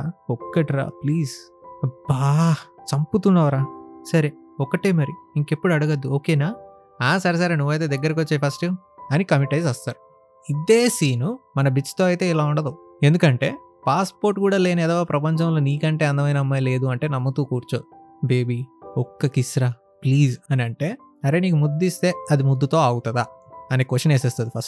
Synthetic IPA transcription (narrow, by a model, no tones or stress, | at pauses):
ɔkːɐʈɾa̰ːpliːs | ɐbaːt͡ʃɐmput̪unːɐːʋɾaːsɐɾeɔkɐʈeːmɐɾiiŋke̞pːuɽuɐɽuɡɐd̪ːuoːkeːnaː | aːs̬ɐɾes̬aːɾeːnuʋːɐjt̪eːd̪ɐɡːɐɾɐkiot͡ʃːejpʰɐsʈi | ɐnikɐmiʈɐjzɐst̪aːɾu | id̪eːsiːnumɐnɐbit͡ʃt̪o̞ːɐjt̪e̞ːilaːuɳɖɐd̪u | e̞nd̪ukɐɳʈe̞̰ː | paːspo̞ːɾʈkuːɽaːleːnɐɛːd̪ɔːɡaːpɾɐpɐɲt͡ʃɐmlo̞ːniːkɐɳʈeːɐnd̪ɐmɐjnɐmːaːjle̞ːd̪uɐɳʈe̞ːnɐmːɐt̪uːkuːɾt͡ʃo | be̞ːbiɔkːɐkisɾɐ | pliːzɐniɐɳʈe̞ː | ɐɾeːniːkumud̪ːist̪e̞ːɐd̪imud̪ːut̪o̞ːaːɡut̪ɐd̪aːɐneːkoʃɐneːseːst̪ɐd̪ipʰɐsʈ̚